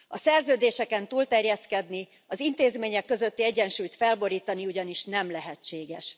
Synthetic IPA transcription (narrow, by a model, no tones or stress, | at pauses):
ɒsɛrzøːd̪eːʃɛkɛnt̪uːlt̪ɛrjɛskɛd̪ni | ɒzint̪eːzmeːɲɛkːø̞zø̞t̪ːiɛɟːɛnʃuːjt̪fɛlbo̞ɾiːt̪ɒniuɟɒniʃnɛmlɛɦɛt͡ʃːeːɡɛʃ